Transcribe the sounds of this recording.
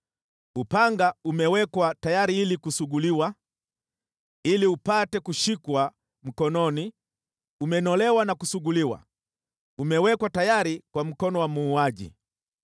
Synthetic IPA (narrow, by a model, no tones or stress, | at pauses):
upaŋɡaumɛwɛkwatajaɾiilikusuɠuliwa | iliupatɛkuʃikwa | m̩kɔnɔni | umɛnɔlɛwanakusuɠuliwa̰ | umɛwɛkwatajaɾikwam̩kɔnɔwamuːaʄḭ